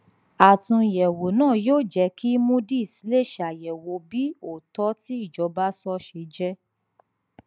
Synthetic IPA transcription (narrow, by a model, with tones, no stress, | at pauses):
a˨tũ˧˨jɛ˨wo˨nãː˦˨joː˦˨d͡ʒɛ˧ki˦mũ˦di˦i˨si˨˦le˦˨ʃa˨jɛ˨wo˧˦bi˦o˦˨tɔ˦ti˦i˦˨d͡ʒɔ˨˧˦ba˦sɔ˦ʃe˧d͡ʒɛ˦